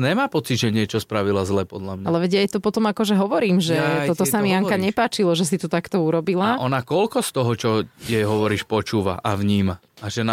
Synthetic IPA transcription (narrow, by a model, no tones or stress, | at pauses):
ɲɛmaːpɔt͡sid̪ʒɛɲɪɛt͡ʃɔspɾaʋilazlɛːpɔd̪ʎamɲaalɛʋɛɟajt̪upɔt̪ɔmakɔʒɛɦɔʋɔɾiːmʒɛt̪ɔt̪ɔsamiaŋkaɲɛpaːt͡ʃilɔʒɛsit̪ut̪akt̪ɔuɾɔbilaaʔɔnakɔlkɔst̪ɔɦɔt͡ʃɔjɛjɦɔʋɔɾiːʃpɔt͡ʃuːʋaʔaʋɲiːmaː | ʒɛna